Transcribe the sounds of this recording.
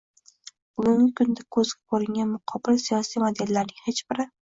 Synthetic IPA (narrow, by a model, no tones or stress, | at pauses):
ʊmʊŋʲɪkʊnd̪akʰɵzɡʲakʰɵɾɪŋʲanmʊqʰɒbɪlsijɒsijmod̪e̞lːaɾnɪŋhet͡ʃb̥ɪɾɪ